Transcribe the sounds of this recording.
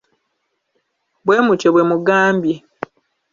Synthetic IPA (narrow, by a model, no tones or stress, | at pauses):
bweːmuceβwemuɡaːmbji